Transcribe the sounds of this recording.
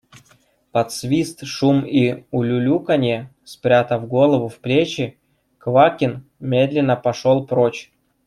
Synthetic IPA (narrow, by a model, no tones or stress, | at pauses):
pɐt̪svʲist̪ʂumiʊlʲʊlʲukɐnʲe | spɾʲat̪əvɡo̞lˠəvʊfplʲet͡ɕɪ | kvakʲɪn | mʲed̪lʲɪnːəpɐʂolˠpɾot͡ɕ